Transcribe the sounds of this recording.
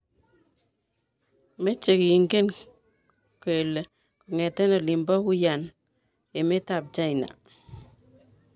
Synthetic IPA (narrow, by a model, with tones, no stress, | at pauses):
me˦t͡ʃe˨ki˨i˨ŋɡe˦n | ke˨le˨ | ku˨ŋɛ˨tɛ˦no˨li˨mbɔ˦ku˦ja˨n | e˨me˦ta˨b̚t͡ʃa˦ina̰˨